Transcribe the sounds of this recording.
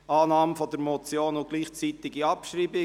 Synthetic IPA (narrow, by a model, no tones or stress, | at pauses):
ɑːnɑːmfɔd̪əɾmɔt͡sjoːnʊɡ̥liːχt͡sit̪ɪɡiɑpʃriːbɪ